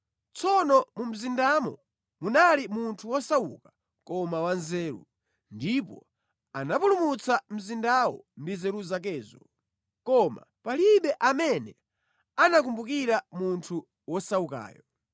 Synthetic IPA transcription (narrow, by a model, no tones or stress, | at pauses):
t͡sʰɔnɔmum̩zindamɔ | munalimuntʰuwɔsawṵka | kɔmawanzɛːɾṵ | ndipɔ̰ | anapulumut͡sam̩zindawɔ̰mbizɛɾuzak̬ɛːzɔ | kɔma̰paliɓɛʔamɛnɛ | anak̬umbukiɾamuntʰu | wɔsauka̰ːjɔ